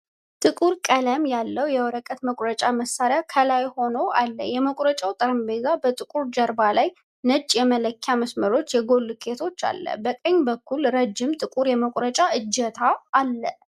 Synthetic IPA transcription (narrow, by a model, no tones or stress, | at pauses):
t̪ʼɨkʼuɾkʼələmjalːəwjɛwɔɾəkʼət̪məkʷʼɾət͡ʃʼaməsːaɾɪjakʰəlajho̞noalːə̰jɛməkʼɾət͡ʃʼawt̪ʼəɾɨmbezabət̪ʼɨkʼuɾd͡ʒəɾbalaj | nəd͡ʒʼjɛmələkʰːaməsməɾo̞t͡ʃːjɛɡo̞lːkʰe̞t̪ʰo̞t͡ʃːa̰lːə̰bəkʼəɲːbəkʰːulɾəd͡ʒːɪmt̪ʼɨkʼuɾjɛməkʷʼɾət͡ʃʼaʔɨd͡ʒːɛt̪ʰaːlːə